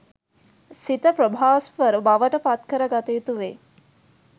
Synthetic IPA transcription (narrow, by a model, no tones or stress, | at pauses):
sit̪əpɾobʱaːsʋəɾubaʋəʈəpat̪kəɾəɡat̪eːt̪uʋe